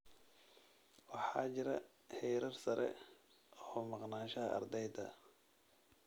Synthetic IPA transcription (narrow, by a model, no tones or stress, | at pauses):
wɑħɑ̰ːt͡ʃɪɾɐ | hɛjɾɐrsɐɾʔɛ̰ | ɔːmɑqnaːʃɐɐʔɐ̰rd̪ɛjd̪ɐ̰